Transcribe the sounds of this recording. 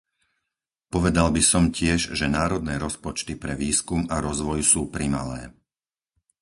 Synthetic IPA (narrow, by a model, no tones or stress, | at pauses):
pɔʋɛd̪albisɔmcɪɛʒʒɛnaːɾɔd̪nɛːɾɔspɔt͡ʃt̪ipɾɛʋiːskumaɾɔzʋɔjsuːpɾima̰lɛ̰ː